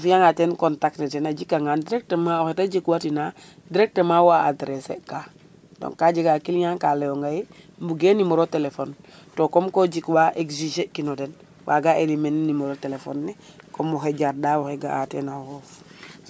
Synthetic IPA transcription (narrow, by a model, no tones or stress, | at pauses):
afijaŋateːnkontaknetenaɟikːaŋaːndiɾek̚temaoxetaɟikwatina | diɾek̚temawaːdɾesḛka | do̰ŋkːaɟiɡakilɲaːŋkalejoŋɡajembuɡeːnimoɾotelefon | tokomkoɟikwaʔekziʃekinoden | wʔa̰ɡaʔelimennimoɾotelefo̰nːe | komoxeɟaɾdawoxeɡa̰teːnahoːf